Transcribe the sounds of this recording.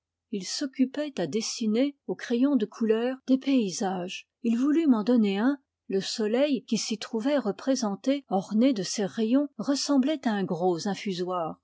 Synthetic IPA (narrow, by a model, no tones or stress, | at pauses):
ilsɔkʲypɛt̪ad̪esineokχejɔ̃d̪əkʰulœːʁd̪̥epeizaʒ | ilvulymɑ̃d̪ɔneɛ̃ | ləsɔlɛjkʲisit̪χuvɛʁəpχezɑ̃t̪eɔʁned̪əseʁejɔ̃ʁəsɑ̃blɛt̪aɛ̃ɡʁozɛ̃fyzwaːʁ